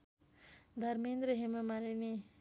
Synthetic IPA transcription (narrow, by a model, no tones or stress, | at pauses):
d̪ʱʌɾmind̪ɾʌɦemamalini